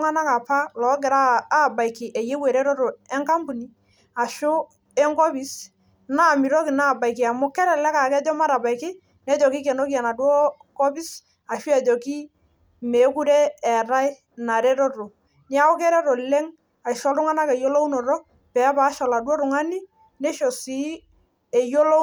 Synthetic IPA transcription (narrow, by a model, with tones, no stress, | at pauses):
ŋa˦na˦ka˨pa˦lɔː˨˦k̬ɪ˨ɾaː˦˨ba˨jkɪ˨ʔɛ˨je˦we˨ɾɛ˦ɾɔ˦ɾo˨ɛ˦ŋka˦mbu˨ni˦ | a˨ʃʊ˦ | ɛ˦ŋkɔ˦pi˦s | na˦˨mi˨ɾo˦kɪ˨na˦˨ba˨jkɪ˨a˨mʊ˦kɛ˦ɾɛ˨lɛ˦ka˨kɛ˦d͡ʒɔ˦ma˦ɾa˨ba˨ɪkɪ˦ | nɛ˦d͡ʒɔ˨ki˦kɛ˨no˦ki˦a˨na˨dwɔ˦ | kɔ˦bi˦s | a˨ʃi˦ɛ˨d͡ʒɔ˨ki˦ | me˨˦ku˦ɾɛː˦˨ɾa˦ɪ˦ | na˨ɾɛ˦ɾɔ˦ɾo˨ | nja˦ɔ˦kɛ˦ɾɛ˦ɾɔ˨lɛ˦ŋ | a˨ʃɔ˦lɾʊ˦ŋa˦na˦kɛ˨jo˦lo˦wnɔ˨ɾɔ˦ | pɛ˨˦paː˨˦ʃɔ˨la˨dwɔ˦ɾʊ˨ŋa˦ni˦ | nɛ˦ʃo˨si˦ | ɛ˨jo˦lo˦